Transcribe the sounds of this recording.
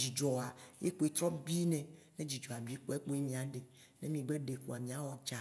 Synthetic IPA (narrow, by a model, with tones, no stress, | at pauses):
d͡ʒi˨d͡ʒɔ˨a˨je˦k͡po˦e˦t̪ɾɔ˦bi˦nɛ̃˨ | nẽ˦d͡ʑi˨d͡ʒɔ˨a˨bi˦e˦k͡po˦e˦k͡po˦je˦mĩ˨a˨ɖe˨ | ne˦mĩ˨ɡ͡be˦ɖe˨ku˨a˨mĩ˨a˦wɔ˨t͡ʃa˨